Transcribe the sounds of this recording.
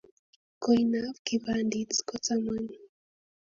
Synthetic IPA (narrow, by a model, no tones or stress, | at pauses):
kɔjnavkibandit͡skɔt͡samaɲi